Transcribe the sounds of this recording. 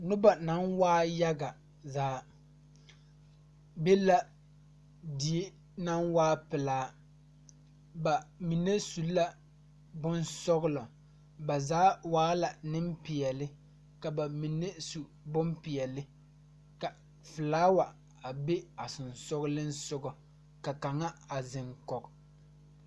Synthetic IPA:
nʊ˦ba˨na˦nwaː˦ja˦ɡa˨ | zaː˦ | be˦la˦ | di˨e˦ | na˦nwaː˦pɪ˨laː˨˦ | ba˨mi˨ne˦su˨˦la˦ | bʊ˦nsɔ˦ɣʊ˦lɔ˨ | ba˨zaː˨˦waː˦la˨nɪ˦m˦pi˨ɛ˨lɪ˦ | ka˨ba˨mi˨nːe˦su˨ | bʊ˦m˦pi˨ɛ˨lɪ˦ | ka˨ | fɨ˨laː˦wa˨ | a˨be˦a˨sʊ˨nsɔ˦ɣʊ˦lɪ˦n̩˦sʊ˦ɡɔ˨ | ka˨ka˨ŋa˦a˨zɪ˨ŋkɔ˨k

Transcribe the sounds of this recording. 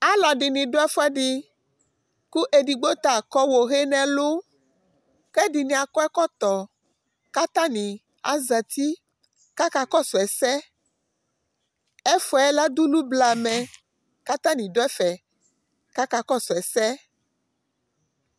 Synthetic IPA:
a˦lɔ˨ɖi˨nĩ˨ɖo˦ɛ˦fɛ˦ɖi˨ | ku˦ʔe˨ɖi˨ɡ͡bo˦t̪a˨kɔ˦wo˨ɣe˦nɛ̃˨lo˦ | kɛ˦ɖi˨nĩ˨a˨kɔ˦ɛ˦kɔ˦t̪ɔ˨ | ka˦t̪ã˦nĩ˨ | a̰˦za˨t̪i˦ | ka˦ka˦kɔ˦sɔ˨ɛ˨sɛ˦ | e˦fɔ˨ɛ˦la˦d̪u˦lu˦bla˨mɛ̃˨ | ka˦t̪ã˦nĩ˨ɖo˦ɛ˦fɛ˨ | ka˦ka˦kɔ˦sɔ˨ɛ˨sɛ˦

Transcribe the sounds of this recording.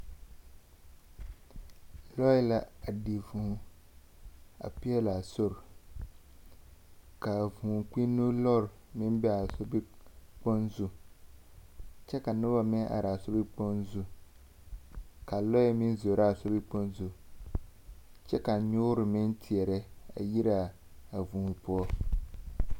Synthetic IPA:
lɔ˦ɛ˦la˦a˨di˨vu˨˦ | a̰˨pi˦ɛ˦la˨so˦˨ɾ | ka˨vũ˨k͡pi˦nːu˦lɔ˦˨ɾmɪ˦nbɛ˦a˨so˦bi˦k͡po˦nzu˨ | t͡ʃɛ˦ka˨nʊ˦ba˦mɛ˦ʔa̰˨ɾa˨so˦bi˦k͡po˦nzu˨ | ka˨lɔ˦ɛ˦mɪ˦n˦zo˨ɾa˦˨sɔ˦bi˦k͡po˦nzu˨ | t͡ʃɛ˦ka˨ɲʊ˦ʊ˦ɾɪ˨mɪ˦ntʰi˨ɛ˨ɾɛ˦a̰˨ji˦ɾa˨ | a˨vũː˨pʊ˦ɔ˦

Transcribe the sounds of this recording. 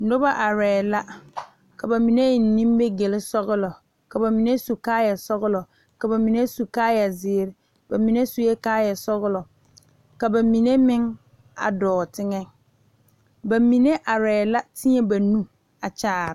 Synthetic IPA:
nʊ˦ba˦ʔa˨ɾɛː˨la˦ | ka˨ba˨mi˨ne˦˨n̩˨nĩ˦m˦be˦ɡe˨lɪ˦sɔ˦ɣɪ˦lɔ˨ | ka˨ba˨mi˨ne˦su˨kaː˦ja˨sɔ˦ɣʊ˦lɔ˨ | ka˨ba˨mi˨ne˦su˨kaː˦ja˨zɪː˨˦ɾ | ba˨mi˨˦ne˦su˨je˦kaː˦ja˨sɔ˦ɣʊ˦lɔ˨ | ka˨ba˨mi˨ne˦mɪ˦ŋ | a̰˨dɔː˨tɪ˦ŋɛ˦ | ba˨mi˨ne˦ʔa˨ɾɛː˨la˦tɪ˦e˦ba˨nu˦ | a˨t͡ʃaː˦˨ɾ

